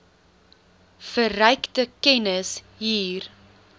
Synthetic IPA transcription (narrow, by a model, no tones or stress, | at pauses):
fərœjktəkɛnəs | ɦiːr